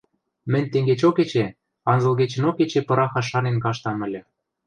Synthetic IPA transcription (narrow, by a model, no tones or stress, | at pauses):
mɘ̆nʲt̪eŋɡet͡ɕoket͡ɕe | ɑnzɤ̆lɣet͡ɕə̆noket͡ɕepɤ̆ɾɑxɑʃɑnenkɑʃt̪ɑmɘ̆lʲɘ̆